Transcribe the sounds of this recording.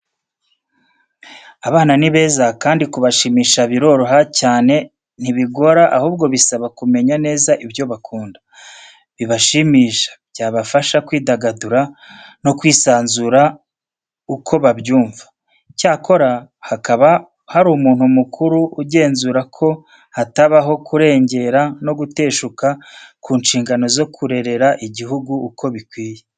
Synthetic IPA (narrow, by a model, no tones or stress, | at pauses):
aβaːnaniβe̞ːzakaːndikuβaʃiːmiːʃaβiɾo̞ɾoɦacaːne̞ | n̥iβiɡo̞ɾaʔahuːbɡo̞βisaβakume̞ɲane̞ːzaʔibjo̞βakʰuːndḁ | βiβaʃimiːʃḁbjaːβafaʃakwiːdaɡaduɾano̞kwiːsaːnzuɾa | ukʰo̞βabjuːɱvḁ | caːkʰo̞ɾahakaβa | haɾuːmuːn̥humukʰuɾuːɟe̞ːnzuːɾakʰo̞ | hataβaɦo̞kʰuɾe̞ːɲɟe̞ɾano̞ɡute̞ːʃukakʰuːnʃiːŋɡano̞zo̞kʰuɾe̞ɾe̞ɾaʔiɟiɦuɡuːkʰo̞βikwiːje